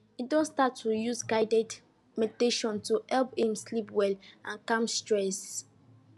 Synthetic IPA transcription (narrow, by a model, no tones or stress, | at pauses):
itdõnstatʰːujuzɡaɪdɛd | meteʃɔ̃ntuɛlpĩmslipwɛlãnkãmstɹɛs